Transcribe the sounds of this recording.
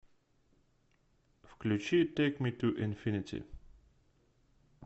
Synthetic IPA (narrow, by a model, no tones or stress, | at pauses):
fklut͡ʃiteɪkmitʰuʔɪ̃nfɪnɪtʰḭ